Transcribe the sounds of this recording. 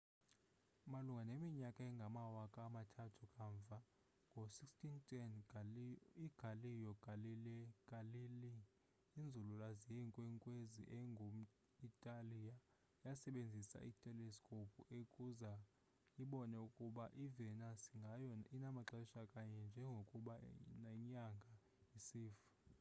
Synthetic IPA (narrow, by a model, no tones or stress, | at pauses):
maluŋɡʱanemiɲakʼaɛŋɡʱamawakʼamatʰatʰukʼaɱvʱa | ŋɡʱosikstʰʼintʰʼɛn | iɡ̥ʱalijɔɡ̥ʱalilɛɡ̥ʱʼalili | ind͡zʱululazijɛŋkʼwɛŋkʼwezḭʔɛŋɡʱo | itʼalija | jasɛɓend͡zʱisa̰ʔitʼɛlɛskʼopʰuʔekʼuza | iɓɔnɛukʼuɓaʔivɛnasiŋɡʱajɔinamaǁaiʃakʼaɲɛnd͡ʒʱɛŋɡʱokʼuɓanaɲaŋɡʱa | isiːfḁ